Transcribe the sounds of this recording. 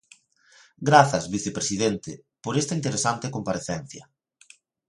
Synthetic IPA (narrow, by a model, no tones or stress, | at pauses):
ɡɾaθɐzβiθepɾesiðent̪ɪ | poɾest̪aint̪eɾesant̪ekompaɾeθɛn̟θjɐ̰